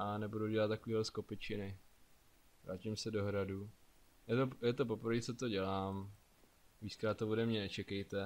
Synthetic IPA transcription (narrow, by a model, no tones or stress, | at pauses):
ʔanɛbuduɟɛlat̪ːakoviːɦlɛsko̞pɪt͡ʃɪnɪ | vɾaːcɪmsɛdo̞ɦɾadu | jɛt̪ojɛt̪o̞p̬o̞pɾ̩viːt͡sot̪o̞ɟɛlaːm | viːt͡skɾaːt̪ːoodɛmɲɛnɛt͡ʃɛkɛjt̪ɛ